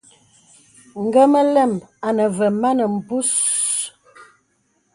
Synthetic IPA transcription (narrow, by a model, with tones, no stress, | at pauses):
ŋ̩˨ɡə˦mə˦lɛ˦˨ma˨nə˨və˨ma˦nə˨m̩˨pu˦s